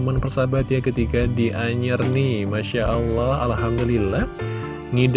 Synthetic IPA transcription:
manpərsabat̪jakət̪ikadiʔaɲarnimaʃaʔalːahalɦamd̪ulilːah | ŋid

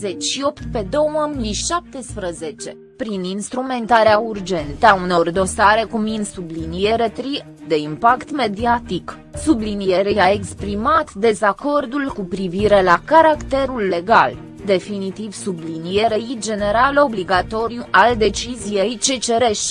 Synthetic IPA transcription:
ze̞t͡ʃʲʃio̞pt̪pe̞d̪o̞wəmijʃap̚t̪e̞spɾəze̞t͡ʃe̞ | pɾininst̪ɾume̞nt̪aɾeaurd͡ʒe̞nt̪əauno̞rd̪o̞saɾe̞kuminsublinije̞ɾe̞t̪ɾi | d̪e̞impakt̪me̞d̪iat̪ik | sublinije̞ɾeaekspɾimat̪d̪e̞zako̞rd̪ulkupɾiviɾe̞lakaɾakt̪e̞ɾulːe̞ɡa̰l | d̪e̞finit̪iv̥sublinie̞ɾeid͡ʒe̞ne̞ɾalo̞bliɡat̪o̞ɾjuʔald̪e̞t͡ʃizije̞jt͡ʃe̞t͡ʃe̞ɾe̞ʃ

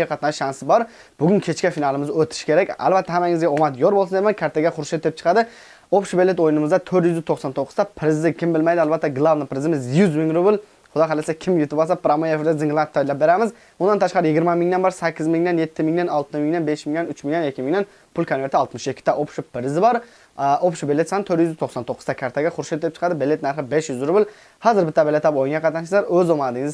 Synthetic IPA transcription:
ɛqʰɑt̪nɑʃʃɑnsɪbɑɾ | b̥ʊɡʲʊnkʲʰet͡ʃkʲɛfinɑlˠɨmɪzøt̪ʰɪ̥ʃkʲeɾɛkʲæ̰lˠbæt̪ʰːɛhæmæŋɪzɡʲɛomɑt̪joɾbolˠsnd̪emɛnkʲʰæɾt̪ʰaɡʲɛχʊɾʃet̪ʰːɪɾɪp̚t͡ʃʰə̥qɑd̪ɪ | opʃubelːet̪ojnɪmɨzd̪ɛt̪ʰɵɾt̪jyzɪzt̪ʰoχsɑnt̪ʰoqʰːʊzd̪ɛpʰɪɾɪzɪkʲʰɪmbɪlmæjd̪ɪɑlbæt̪ːɛɡlˠɑvnɨpɾɪzɪmɪzjyzmɪŋɾʊbɪl | χʊd̪ɑælɪsɛkʲʰɪmjut̪ɪbolˠsɑpɾɑmojefɪɾd̪ɛzɪŋlˠɑnt̪ʰːɑjlæp̚beɾæmɪz | bʊnɑnt̪ʰɑʃqɑɾɪjɪɡʲɪɾmɛmɪŋd̪ɛnbɑɾsækʲːɪzmɪŋd̪ɛnjet̪ʰːɪmɪŋnɛnɑlˠt̪ɨmɪŋnɛnbeʃmɪŋnɛnyt͡ʃmɪŋnɛnekʲːimɪŋnɛn | pʰʊlkʰonveɾt̪ʰɪɑlˠt̪mɨʃekʲʰːɪ̥t̪ɛʔopʃupɪɾɪzɪbɑɾ | opʃubelːet̪sɑnt̪ʰøɾjyzɪzt̪ʰoχsɑnt̪ʰoqːʊzt̪ɑkʲʰɑɾt̪ʰaɡʲɛχʊɾʃelt̚d̪elɪp̚t͡ʃʰə̥qʰɑd̪ɪbelːet̪̚næɾχɨbeʃjyzɾʊbɪl | hɑzɨɾbɪt̪ːɛbelet̪ɑpojiŋɡʲɑqʰɑt̪ɑnt͡ʃʰɪzɑɾøzomɑnd̪ɪŋɪz

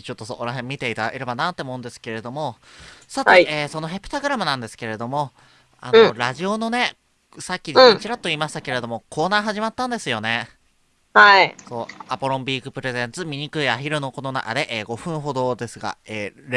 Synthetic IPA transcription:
t͡ɕo̞t̪ːosooɾaɦẽ̞mʲːit̪e̞it̪ad̪a̰keɾebanaːt̪ːe̞omo̞ɯ̃nd̪esɨ̥ke̞ɾe̞d̪o̞mo̞sat̪eeːso̞no̞ɦepːɯ̟t̪aɡɯ̟ɾamɯ̟nãnd̪e̞sɨ̥ke̞ɾe̞d̪o̞mo̞ | a̰noɾaʑio̞no̞ne̞ | sakʲːĩt͡ɕiɾat̪ːo̞iːmaɕi̥t̪ake̞ɾe̞d̪o̞mo̞kʰo̞ːnaːɦaʑimat̪ːãnd̪e̞sɨjo̞ne̞ | haiso̞ːapoɾõ̞mbʲiːkɯ̟pɯ̟ɾe̞zẽ̞nt͡sɨmʲiɲ̟ikɯ̟iaçiɾɯ̟no̞ko̞no̞na̰ka̰d̪e̞ʔeːɡo̞ɸɯ̟̃ɰ̃ɦo̞d̪o̞ːd̪e̞sɨɡa̰eːɾ

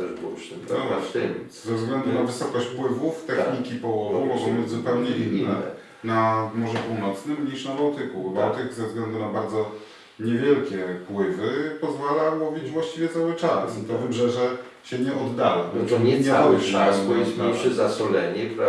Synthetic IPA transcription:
t̪ɛʐbwɔ̰ʃt̪ɛɔat̪ɛm | zɛvzɡlɛnd̪unavɘsɔkɔɕt͡ɕpwɘvuft̪ɛxɲikʲipɔwɔvumɔɡɔ̃w̃bɘd͡ʑʲzupɛwɲɛʔinːɛ̰ | namɔʐɛpuwnɔt̪snɘmɲiʂnabawt̪ɘkubawt̪ɘkzɛvzɡlɛnd̪unabaɾd̪zɔ | ɲɛvʲjɛlkʲɛpwɘvɘpɔzvalawɔvʲid͡ʑvwaɕt͡ɕivʲjɛt̪sawɘt͡ʂast̪ɔvɘbʐɛʐɛ | ɕɛɲɛʔɔd̪ːalɔbɔt̪ɔɲɛawasbɔjismaɛzasɔlɛɲɛpɾa

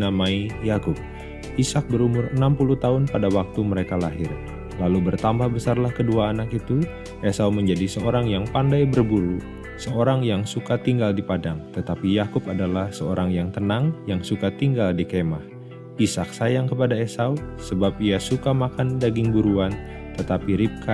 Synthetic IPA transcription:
namaijakʊp̚ | isak̚bəɾumʊrənampuluht̪aʊnpadawak̚t̪uməɾekalaɦɪr | lalubərt̪ambahbəsarlahkəduaːnakit̪u | esauməɲd͡ʒadisəoɾaŋjaŋpandajbərbuɾu | səoɾaŋjaŋsukat̪iŋɡaldipadaŋt̪ət̪apijakʊpadalahsəoɾʔaŋjaŋt̪ənaŋjaŋsukat̪iŋɡaldikemah | isak̚sajaŋkəpadaesausəbap̚iasukamakandaɡɪŋbuɾuan | t̪ət̪apiɾip̚kʰa

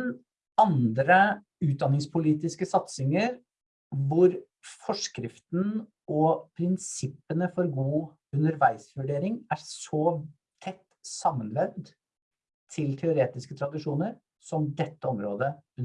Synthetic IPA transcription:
n | ɑnd̪ɾə | ʉːt̪̚d̪ɑnɪŋspʰʊliːt̪ɪskəsɑt̪sɪŋəɾ | ʋʊɾ | fɔʂkɾɪft̪n | ɔpʰɾɪnsɪpːənəfɔɾɡuː | ʉnəɾʋæɪsʋʉɖeːɾɪŋæɾsɔ | t̪ʰɛt̪ː | sɑmːənlɛʋd̪ | t̪ʰɪlt̪ʰɛʊɾeːt̪ɪskət̪ʰɾɑd̪ɪʂuːnəɾ | sɔmd̪ɛt̪ːəɔmɾoːd̪ə

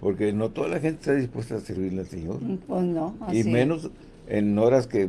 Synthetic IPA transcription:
po̞ɾke̞no̞t̪o̞ðalaxent̪e̥st̪aðispwe̞st̪aːseɾβiɾlealsḛɲo̞ɾpesnoimmẽno̞s | ḛnoɾaske

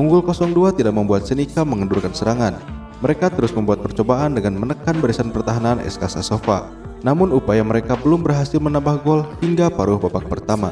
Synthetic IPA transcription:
ʔuŋɡʊlkɔsɔŋduat̪idak̚məmbuat̪̚sənikaməŋədurkansəɾaŋan | məɾekat̪əɾʊsməmbuat̪̚pərt͡ʃobaʔandəŋanmənəkanbəɾisanpərt̪aɦananʔɛ̰skasasofa̰ | namʊnupajaməɾekabəlʊmbərɦasɪlmənambahɡɔlhiŋɡapaɾʊhbapak̚pərt̪ama̰

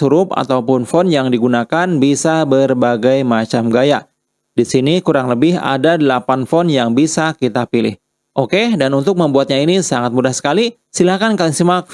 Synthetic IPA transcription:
uɾʊpa̰t̪awpʊnfɔnjaŋdiɡunakanbisabərbaɡajmat͡ʃamɡaja | disinikuɾaŋləbɪɦa̰dadəlapanfɔnjaŋbisakit̪apilɪ̰h | ʔokedanunt̪ʊk̚məmbuat̪̚ɲainisaŋat̪̚mudahsə̥kali | silahkankalɪŋsimak̚

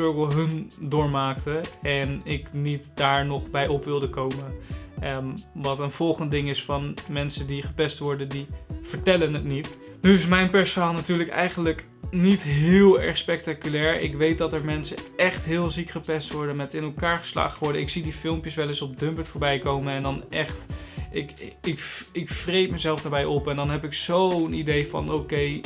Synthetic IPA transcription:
økəlˠɦɵndʊːɹmaːktəɛnɪknitdaːɹnɔχbɛjɔpʋɪlˠdəkowmə | ʋɑtənv̥ɔlˠχənt̚dɪŋɪsfɑnmɛnsəndiχəpɛstʋɔɹdəndiv̥əɹtɛlənətnit | nyɪsmɛjnpɛɹsəɹɦaːlˠnatyːɹləkɛ̰jχənlək | nitɦɪːlˠɛ̰ɹχspɛk̚takylɛːɹɪ̰kʋejt̚dɑtɛɹmɛnsəɛχtɦɪːlˠzikχəpɛstʋɔɹdənmɛtɪnɛlˠkaːɹχə̥sla̰ːχχəʋɔɹdəɪksidifɪlˠmpjəsʋɛlɪsɔb̚dɵmpətfoːɹbɛjkowmənɛndɑnʔɛχtɪkɪkɪkfrejpməzɛlˠfdaːɹbɛjʔɔpɛndɑnɦɛpɪksownidejfɑ̰nowkej

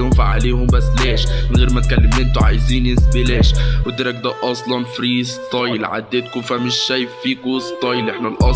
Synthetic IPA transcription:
homfaʕa̰leːhʊmbæsːleːʃnɣeːɾmæt̪̚kælːemʔɪnt̪oʕa̰jziːnjesbileːʃwɪd̪eɾæk̚d̪æːʔʔɑsˤlɑnfɾiːst̪ˤɑjlʕa̰d̪ːet̪kufæmɪʃːæjefːiːkust̪ˤɑjlʔeħnælʔɑ

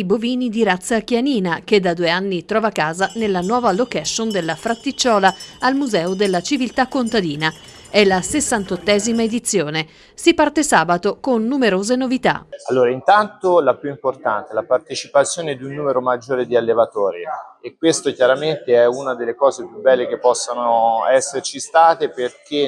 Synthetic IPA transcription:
boviːnid̪iɾat̪sːakjaniːnak̟ed̪ːad̪ueanːit̪ɾɔːvakaːzanelːanwɔːvalokɛʃːond̪elːafɾat̪ːit͡ʃːɔːlaalmuzɛːod̪elːat͡ʃivilt̪akːont̪ad̪iːna | ɛlasesːant̪ot̪ːɛːzimaed̪it̪sːjoːne | sipart̪esaːbat̪okonːumeɾoːzenovit̪a̰alːoːɾaint̪ant̪olapjuimport̪ant̪elapart̪et͡ʃipat̪sːjoːned̪iunːuːmeɾomad͡ʒːoːɾed̪ialːevat̪ɔːɾiekːwest̪okjaɾament̪eɛunad̪elːekɔːzepjubːɛlːekepːɔsːanoɛsːert͡ʃist̪aːt̪eperk̟ʰe

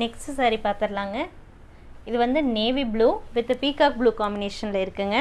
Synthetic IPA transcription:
nɛksʈsaːɾipaːɾt̪ɯɾlaːŋɡɐ | ɪðɯʋɐnd̪ɯneːʋibluːʋɪt̪ːɯpiːkaːk̚bluːkaːmbɪneːʂɐnɪlɐɪɾɯkːɯŋɡɐ

